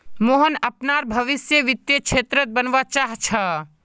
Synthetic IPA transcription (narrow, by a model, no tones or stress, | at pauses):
moɦənəpnaɾbʱəʋisjəʋit̪jəkt͡ʃʰet̪ɾət̪̚bənʋat͡ʃaɦt͡ʃʰə